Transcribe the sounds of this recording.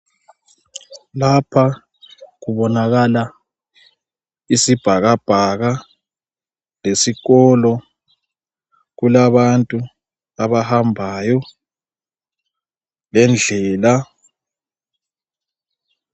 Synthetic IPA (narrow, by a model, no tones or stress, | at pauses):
lapʰa | ɣuβɔnaɣala | isib̥ʱaɣab̥ʱaɣa | lesiɣɔlɔ | ɣulaβantʼu | aβahambʱajɔ | lɛnd͡ɮʱɛːla